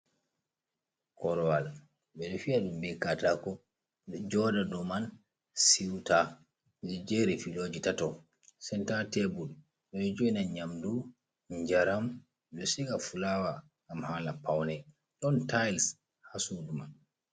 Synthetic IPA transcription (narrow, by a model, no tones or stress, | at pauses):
kɔɾɔwal | bɛɗɔfiaɗumbɛkatakɔ | d͡ʒɔːdadɔman | siwta | ɛɛd͡ʒeɾifiloːd͡ʒitatɔ | sɛntatɛbul | ɓɛɗɔd͡ʒoinanɲamdu | ɲd͡ʒaɾam | ɗɔsikafulawa | ɡamhalapawnɛ | ɗɔntajls | hasuduman